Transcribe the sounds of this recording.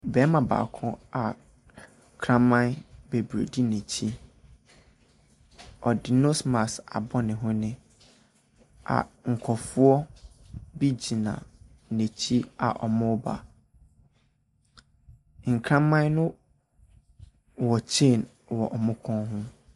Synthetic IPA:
bɛ˨˦mã˨ba̰ː˨kʰɔ̰̃˦a˨ | kʰɾã˦mã˦nbe˨bu˨ɾo̰˨di˦ne˨t͡ɕʰi˦ | ɔ˨dɪ˨nʊ̃˦smã˨sa̰˨bɔ˦nɪ̃˨ɦʊ̃˦nɪ̃˦ | a̰˨ŋ̩˨kʰɔ˨fʊ˦ɔ˦ | bi˦d͡ʑi˨nã̰˨ | nẽ˨t͡ɕʰi˦a̰˨ʔɔ̰˨mʊ̃˦ba̰˨ | ŋ̩˨kʰɾã˦mã˦nnʊ̃˦ | wɔ˨t͡ɕʰẽ˦˨n | wɔ˨ʔɔ˨mʊ̃˦kʰɔ̃˦ɦʊ̃˦

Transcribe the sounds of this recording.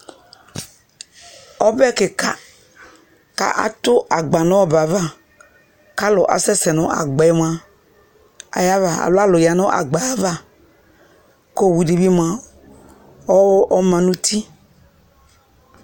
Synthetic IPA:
ɔ˦bɛ˦ke˨ka˦ | ka̰˦ʔa̰˦t̪ʊ˦ʔa˨ɡ͡ba˨nɔ̃˦ɔ˦ba˨va˦˨ | ka˦lɔ˨ʔa̰˨sɛ˦sɛ˨nɔ̃˦ʔa̰˨ɡ͡bɛ˨ɛ˦m˨ã˦ | a̰˨ja˦va˨a̰˨lo˦a˦lɔ˨ja˨nɔ̃˦ʔa̰˨ɡ͡ba˨˦va˦ | ko˦˨wu˨di˨˦vi˦m˨ã˦ | ɔ˦ʔɔ˦mã˨nũ˦t̪ʰi˦

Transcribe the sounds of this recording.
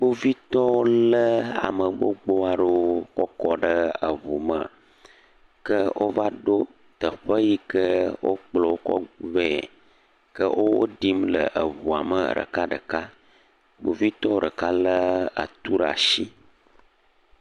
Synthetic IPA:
ɡ͡bo˦vi˦t̪ɔ˦wo˦lə˦a̰˨mə˨ɡ͡bo˦ɡ͡bo˦a˨ɖə˦kɔ˦kɔ˦ɖə˦ə˨vu˨mə˨a˨ | kə˦wʔo˦va˦ɖo˦ | t̪ə˨ɸə˦ji˦kə˦wʔo̰˦k͡plɔ˨wo˦kɔ̰˦ve˦˨ | kə˦wʔo˦wo˦ɖi˦mlə˨ʔə˨vu˨a̰˨mə̰˨ɖə̰˨ka˦ɖə̰˨ka˦ | ɡ͡bo˨vi˦t̪ɔ˦o˦˨ɖə˨ka˦lə˦a̰˨t̪u˦ɖa̰˨ʃi˦

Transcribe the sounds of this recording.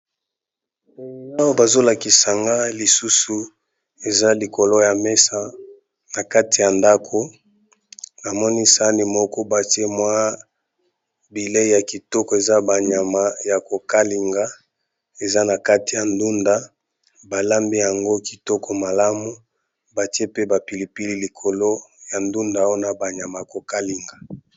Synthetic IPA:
na˦wa˦ba˨zo˦la˨ki˨sa˨ŋɡa˦li˨su˦su˨ | e˨za˦li˨ko˨lo˦ja˨me˦sa˦ | na˨ka˦ti˨ja˨nda˦kʰo˨ | na˨mɔ˦ni˦sa˦ni˨mɔ˦kɔ˦ba˨ti˦e˦mwa˦ | bi˨le˦ja˨ki˨tɔ˦kɔ˨e˨za˦ba˨ɲa˨ma˨ja˨ko˨ka˦li˨ŋɡa˦ | e˨za˦na˨ka˦ti˨ja˨ndu˦nda˦ | ba˨la˦mbi˦ja˨ŋɡo˦ki̥˨tɔ˦kɔ˨ma˨la˦mu˨ | ba˨ti˦e˦pe˦ba˨pi˨li˨pi˦li˦li˨kʰo˨lo˦ja˨ndu˦nda˨o˦na˨ba˨ɲa˨ma˨ja˨ko˨ka˦li˨ŋɡa˨

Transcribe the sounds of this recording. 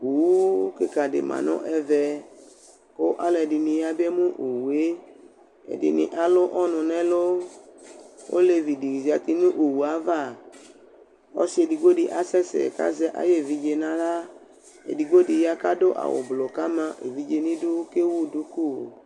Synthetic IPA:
u˨˦ke˦ka˨dɪ̰˨mã̰˨nɔ̰̃˦ʔɛ˧vɛ˧ | ko˦ʔa̰˦lɛ˨dɪ˧nĩ˧ja˨bɛ˦mũ˦ʔo˨wu˨e˦ | ɛ̰˨dɪ̰˨nɪ̰̃˨ʔa˨lʊ˦ʔɔ˦nʊ̃˨nɛ̃˦lo˦ | o̰˦le˧vi˨di˨zi˨a˨t̪i˧nũ˦ʔo˨wu˨a˨˦va˦˨ | ɔ̰˦si˦e˨di˨ɡ͡bo˦di˨ʔa˨sɛ˦sɛ̰˨ka̰˦zɛ˧˦ʔa̰˨je˦˨vi˧d͡ʒe˧nã˦la˦ | ḛ˨di˨ɡ͡bo˦di˨ja˧ka˦do˦ʔa̰˨wo̰˨blo˨ka˦mã˧ʔḛ˨vi˨d͡ʒe˧nĩ˦du˦ke˦wu˦˨du˨˦ku˦˨

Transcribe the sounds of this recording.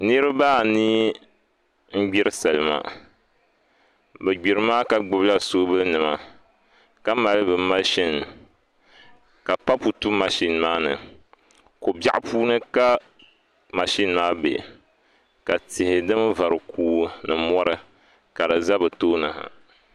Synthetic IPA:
ni˦ɾɨ˦baː˦˨ni˦ | m̩˦ɡ͡bi˦ɾɨ˦sa˨lɨ˨ma̰˨ | bɛ˨ɡ͡bi˨ɾɨ˦maː˦ka˨ɡ͡bɨ˦bla˦so˦bɨ˦nɨ˨ma̰˨ | ka˦ma˨lɨ˦bɨ˨ma˦ʃi˦n˨ | ka˨pa˦pu˨tu˦ma˨ʃi˦n˨maː˦nɨ̰˨ | ko˨bja˦˨ʔpʰuː˦nɨ˦ka˦ | ma˨ʃi˦nmaː˦bḛ˨ | ka˨tɪ˨hɪ˨dɨ˦m˦va˨ɾɨ˨kʰuː˦nɨ˨mɔ˦ɾɨ˦ | ka˨dɨ˨za˦bɨ˨toː˦nɨ˨ha̰˨

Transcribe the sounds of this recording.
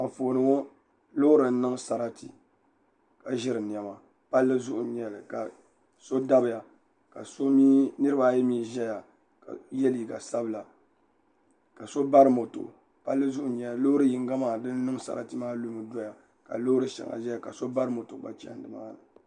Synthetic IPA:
a˨foː˨nɨ˨ŋo˦ | lo˦hɾɨ˨n̩˦nɨ˦ŋsa˨ɾa˦ti˨ | ka˨ʒɪ˦ɾɨ˨ni˨ɛ˨ma˨ | pa˦lːɨ˦zʊ˦ʔʊ˨ɲɛ˨lɨ˨ka̰˨ | so˦da˦bɨ˨ja˨ | ka̰˨so˦mi˦nɨ˦ɾɨ˦ba˦˨jɛ˦miː˦ʒɛ˦ja˨ | ka̰˨jɛ˦li˨ɡa˨sa˦bɨ˦la˨ | ka˨so˦ba˦ɾɨ˦mo˨tʊ̰˨ | pa˦lːɨ˦zʊ˦ʔʊ˨ɲɛ˦a˨lo˦hʊ˦ɾɨ˦ji˨ŋ˦ɡa˦maː˦˨dɨ˦n˦nɨ˦ŋsa̰˨ɾa̰˦tɨ˦maː˦lu˦mɨ˨do˦ja˨ | ka̰˨lo˦ɾɨ˦ʃɛ̰˨ŋa̰˨ʒɛ˦ja˨ka̰˨so˦ba˦ɾɨ˦mo˨to˨ba̰˨t͡ʃa̰˦˨n˨dɨ˨ma̰ː˦nɨ˨

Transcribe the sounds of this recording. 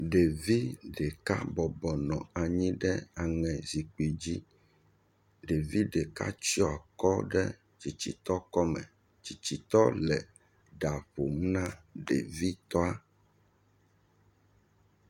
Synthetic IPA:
ɖe˨vi˦ɖe˨ka̰˦bɔ˨bɔ˨nɔ̃˨a˨ɲĩ˦ɖɛ˦a˨ŋɛ̃˨zi˨k͡pi˨d͡ʑi˦ | ɖe˨vi˦ɖe˨ka̰˦t͡ʃi˦ɔ˦a˨kɔ˦ɖɛ˦ | t͡ɕi˨t͡ɕi˨t̪ɔ˦kɔ˦mɛ̰̃˨ | t͡ɕi˨t͡ɕi˨t̪ɔ˦lɛ˨ | ɖa˨ɸo˨m˦nã˦ɖḛ˨vi˦t̪ɔ˦a˦

